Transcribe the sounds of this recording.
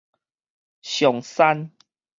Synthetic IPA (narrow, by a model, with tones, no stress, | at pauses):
ɕjɔ˨ŋsa˦n